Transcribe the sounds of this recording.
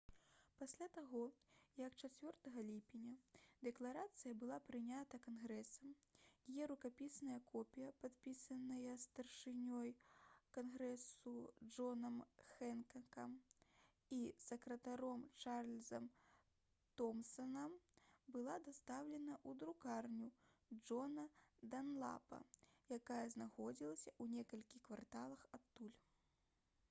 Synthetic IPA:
pasʲlʲat̪aɣɔjɐkt͡ʂat͡sʲvʲɔrt̪ɐɣɐlʲipʲinʲɐd̪ɛklˠaɾat̪sɨjɐbɨlˠapɾɨnʲat̪ɐkanɣɾɛsɐmjajɛɾukapʲisnɐjɐkʰɔpʲijɐpat̪pʲisɐnɐjɐst̪ɐrʂɨnʲɔjkanɣɾɛsud͡ʐɔnɐmxɛnkɐkɐm | isɐkɾɐt̪aɾɔmt͡ʂarlʲzɐm | t̪ɔmsɐnɐmbɨlˠad̪ast̪awlʲɛnɐʔud̪ɾukarnʲud͡ʐɔnɐd̪anlˠa̰pɐ̰jakajɐznaxɔd͡zʲilˠɐsʲɐʔunʲɛkɐlʲkʲikvart̪alˠɐxat̪ːulʲ

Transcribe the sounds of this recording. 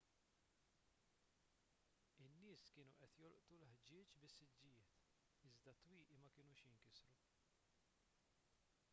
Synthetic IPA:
ɪnːɪːskɪːnuʔɛt̪jɔlʔt̪ulħd͡ʒɪːt͡ʃbɪsːɪd͡ʒːɪjɪːt̪ | ɪzd̪ɐt̪wiːʔimɐkɪːnuːʃjɪŋkɪsɾu

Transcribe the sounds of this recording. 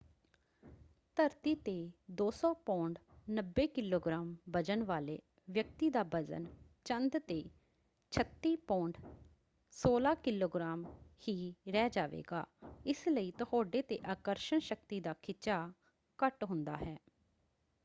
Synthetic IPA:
t̪əɾt̪iːt̪eːd̪oːsɔːpõːɳɖnəbːeːkɪloːɡɾaːmbəd͡ʒənʋaːlḛː | ʋjəkt̪iːd̪aːbəd͡ʒə̰n | t͡ʃənd̪t̪eː | t͡ʃʰət̪ːiːpõːɳɖ | soːlaːkɪloːɡɾaːmhiːɾɛːd͡ʒaːʋḛːɡa̰ːɪsləiːt̪ʊhoːɖeːt̪eːʔaːkəɾʃəɳʃək̚t̪iːd̪aːkʰɪt͡ʃaː | kəʈɦʊnd̪a̰ːɦɛː

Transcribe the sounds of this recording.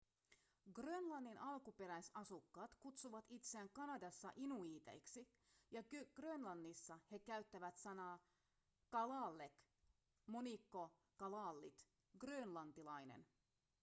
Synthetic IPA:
ɡrønlɑnːinʔɑlkupe̞ɾæjsɑsukːɑːt̪kut̪suʋɑt̪it̪seæŋkɑnɑdɑsːɑ̰ʔinuiːt̪e̞̰jksi | jɑɡɡ̥rønlɑnːisːɑhe̞kæyɥt̪ːæʋæt̪sɑnɑː | kɑlɑːlːek | mo̞nikːo̞ | kɑlɑːlːit̪ | ɡrøːnlɑnt̪ilɑjnḛn

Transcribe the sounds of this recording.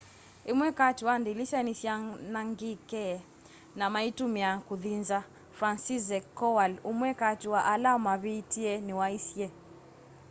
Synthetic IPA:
imwɛkatiwandilisanisjanaŋɡikɛɛ | namaitumiakuðinza | fɾansizɛkɔwalumwɛkatiwaʔalamaβitiɛniwaisjɛ

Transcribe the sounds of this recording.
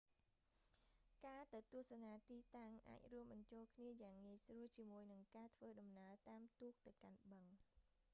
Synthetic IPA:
kaːt̪ɨwt̪ŭəhsanaːt̪iːt̪aŋʔa̰ːc̚ruəmɓɑɲt͡ɕoːlkʰniəjaːŋːiəjsruəlt͡ɕiəmuəjnɨŋkaːt̪ʰʋəːɗɑmnaət̪aːmt̪uːk̚t̪ɨwkanɓəŋ

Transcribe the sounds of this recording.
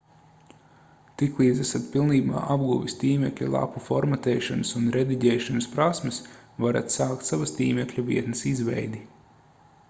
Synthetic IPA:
t̪iklˠiːd̪zæsat̪pilˠniːba̰ːʔabɡuʋist̪iːmʲɛklʲṵlˠa̰pufɔɾmat̪ɛːʃanɐsunɾed̪iɟɛjʃanɨspɾasmɐsvaɾa̰t̪saːkt̪savɐst̪iːmʲɛklʲuvḭɛt̪nɐsizvɛ̰jd̪i

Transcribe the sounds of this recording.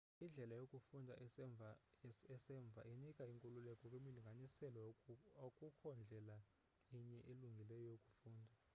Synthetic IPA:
ind͡ɮʱɛlajokʼufundʱaa | ɛsɛɱb̪vʱa̰inikʼaiŋkʼululɛkʼɔkʼwemiliŋɡʱanisɛlokʼukʰɔnd͡ɮʱɛla | iɲɛʔiluŋɡʱilɛjɔjokʼu̥fuːndʱa

